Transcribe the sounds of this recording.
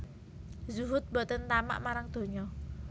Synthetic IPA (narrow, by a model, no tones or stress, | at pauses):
zuɦʊt̪̚bɔt̪ənt̪ama̰ʔmaɾaŋd̪̥o̤ɲɔ